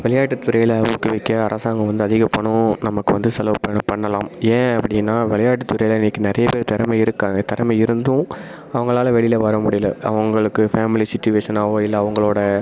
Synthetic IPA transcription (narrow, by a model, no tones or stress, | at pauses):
ʋɛɭɐjaːʈːɯt̪ːʊɾɐjɪlɐuːkːɯʋɐkːɐɐɾʔɐsaːŋɡɐ̃ʋɐnd̪ɯɐðɪɣɐpːɐɳːʊ̃nɐmɐkːɯʋɐnd̪ɯsɐlɐːpɐnɐpɐɳːɐlaːmẽːɐpːɐɽɪjɪnːaːʋɛɭɐjaːʈːɯt̪ːʊɾɐjlɐɪnːɪkːɯnɪɾɐjɐpeːɾt̪ɐɾɐmɐɪɾɯkːaːŋɡɐt̪ɐɾɐmɐɪɾɯnd̪ʊ̃ | ɐʋɐŋɡɐɭaːlɐʋɛɭɪlɐʋɐɾɐmʊɽɪjɪlːɐ̰ɐ̰ʋɐŋɡɐɭɯkːɯfaːmɪlisɪt͡ʃːʊʋeːʂɐnaːʋoːɪlːɐːʋɐŋɡɐɭoːɽɐ